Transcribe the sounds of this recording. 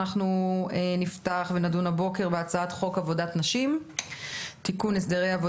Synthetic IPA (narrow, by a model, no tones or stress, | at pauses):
aχnuniftaχvenadunabo̞ke̞ʁbeat͡saat̪χo̞kavo̞datnaʃim | tikunesd̪eʁejavo